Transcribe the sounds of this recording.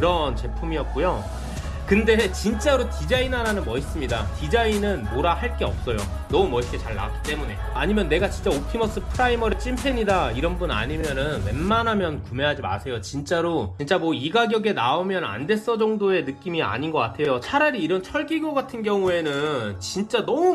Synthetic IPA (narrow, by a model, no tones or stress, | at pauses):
ɾʌnt͡ɕe̞pʰumiʌt̚k͈ujo | kɯnde̞t͡ɕint͡ɕ͈aɾotid͡ʑainaɾanɯnmʌis͈ɯmɲidatid͡ʑainɯnboɾahaɭk͈e̞ʌp̚s͈ʌjo̰ | nʌmumʌik͈et͡ɕaɭːa̰ak͈i̥t͈e̞mune̞ | aɲimjʌnːe̞ɡat͡ɕint͡ɕ͈aotʰimʌs͈ɯpʰɯɾaimʌɾɯt͡ɕ͈impʰe̞ɲidaiɾʌnbuna̰ɲimjʌnɯnwe̞mːanɦamjʌnkume̞ɦad͡ʑima̰sʰe̞jot͡ɕint͡ɕ͈aɾot͡ɕint͡ɕ͈amwʌiɡaɡjʌɡe̞naomjʌna̰nde̞s͈ʌd͡ʑʌŋdoe̞nɯk͈imia̰ɲinɡʌk͈atʰe̞jjot͡ɕʰaɾaɾiːɾʌnt͡ɕʰʌɭɡiɡoɡatʰɯnɡjʌŋue̞nɯnt͡ɕint͡ɕ͈anʌu